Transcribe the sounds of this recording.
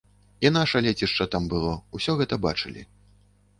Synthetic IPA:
inaʂɐlʲɛt͡sʲiʂt͡ʂɐt̪ambɨlˠɔusʲɔɣɛt̪ɐba̰t͡ʂɨlʲḭ

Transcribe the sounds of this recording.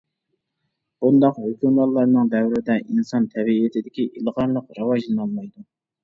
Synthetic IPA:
b̥und̪ɑqhokʲʰumlˠɑlˠːɑɾnɨŋd̪ɛwɾɪd̪ɛʔinsɑnt̪ʰɛbiːɪt̪ʰɪd̪ɪkʲiʔilˠʁɑɾlˠəqɾɑwɑʒlˠɨnɑlˠmɑjd̪u

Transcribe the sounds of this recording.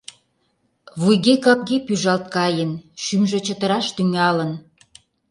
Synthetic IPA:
βujɣekɑp̚ɣepyʒɑlt̪̚kɑjənʃymʒĕt͡ɕət̪əɾɑʃt̪yŋɑlən

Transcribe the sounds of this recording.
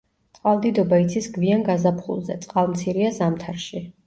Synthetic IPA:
t̪sʼqʼwalˠd̪id̪ɔbait̪sʰisɡvianɡazapʰχṵlˠzɛ̰t̪sʼqʼalˠmt̪sʰiɾiazamt̪ʰaɾʃi

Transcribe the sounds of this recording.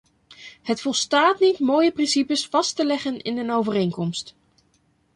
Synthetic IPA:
ɦətfɔlˠstaːtnitmoːjəprɪnsipəsfɑstəlɛχənɪ̰nənowvərejŋkɔmst

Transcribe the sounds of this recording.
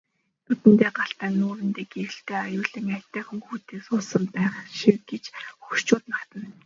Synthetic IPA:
t̪ʰut̪ɘ̆nt̪eːɢaɬt̪æːnːuːɾɘ̆nt̪eːkeɾɘ̆ɬt̪eːajʊːɮĭŋat̪æːχŭŋxuːt̪eːksʊːsə̆mpæːχʃiwɡet͡ɕxurt͡ɕʊːt̪nart̪ə̆nn

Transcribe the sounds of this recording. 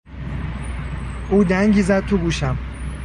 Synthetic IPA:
uːd̪æŋɟiːzæd̪̚t̪ʰoɡuːʃæm

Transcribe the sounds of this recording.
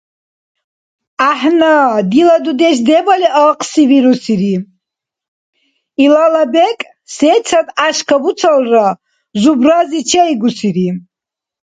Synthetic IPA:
aħnad̪ilad̪ud̪ɛʃd̪ɛbaliʔaqʰʼsiviɾusiɾi | ilalabɛkʼ | sɛt͡sʰat̪ʼaʃkʰabut͡sʰalra | zubrazit͡ʃʰɛiɡusiɾi

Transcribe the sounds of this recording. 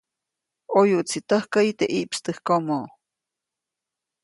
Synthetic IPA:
ojuʔt͡sit̪əhkait̪eʔiʔpst̪ɨhkomo

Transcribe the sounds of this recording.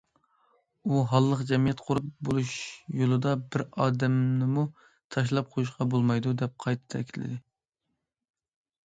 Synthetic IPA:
uɦɑlˠːəqd͡ʒɛmijɛt̪qʰoɾup̚bolˠuʃjolˠɨd̪ɑbɪɾɑːd̪ɛmnɪmu | t̪ʰɑʃ̬lˠɑp̚qʰojuʃ̬qɑbolˠmɑjd̪ud̪ɛp̚qʰɑjt̪ʰɨ̥t̪ʰɛ̰kʲʰilɪ̰d̪ɪ

